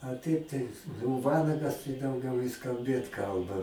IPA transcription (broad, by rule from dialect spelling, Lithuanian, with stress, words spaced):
ɐ ˈtɐɪp tɐɪ nuː ˈʋɑːnɐɡɐs tɐɪ dɐʊˈɡʲɛʊ jɪs kɐlʲˈbʲeːt ˈkɐlˠbɐ